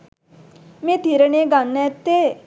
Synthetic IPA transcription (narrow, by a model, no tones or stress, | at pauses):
mẽt̪iɾəɳeɡanːɛt̪ːe